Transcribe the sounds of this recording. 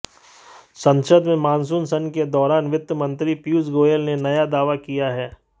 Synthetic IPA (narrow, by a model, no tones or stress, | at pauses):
sɐ̃nʃəd̪mẽmãːns̬uːnsɐnked̪ɔːɾaːnʋɪt̪ːəmə̃nt̪ɾipiusɡoːjəlnenɐjad̪aːʋakijaɦɛː